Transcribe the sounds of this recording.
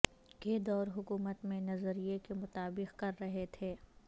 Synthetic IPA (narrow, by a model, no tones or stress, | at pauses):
keːd̪ɔːɾɦʊkuːmət̪mẽnɐzəɾijekemʊt̪aːbɪqkɐɾːɐɦet̪ʰeː